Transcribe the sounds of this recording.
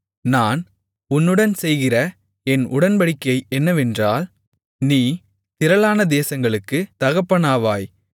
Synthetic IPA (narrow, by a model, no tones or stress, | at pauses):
naːn | ʊnːɯɽɐnsɛjɣɪrɐ | ɛnʊɽɐnbɐɽɪkːɐɪɛnːɐʋɛndraːl | niː | t̪ɪɾɐlaːnɐd̪eːsɐŋɡɐɭɯkːɯt̪ɐɣɐpːɐnaːʋaːj